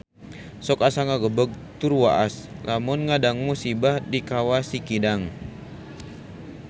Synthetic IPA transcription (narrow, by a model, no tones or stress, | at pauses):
sɔkasaŋaɡəbəɡ̚t̪urwaʔaslʔamʊnŋadaŋmusibahdikawasikidaŋ